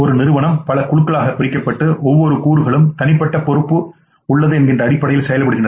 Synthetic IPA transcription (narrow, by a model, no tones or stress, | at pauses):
ɔɾɯnɪɾɯʋɐɳɐmpɐlɐkʊɭɯkːɐɭaːɣɐpːɪɾɪkːɐpːɐʈːɯʔɔʋːɔɾɯkuːɾɯɣɐɭɯmt̪ɐnɪpːɐʈːɐpɔɾɯpːɯ | ʊɭːɐðɯɛnɡɪndrɐːɽɪpːɐɽɐjɪlsɛjɐlpːɐɽɯɣɪɳdrɐ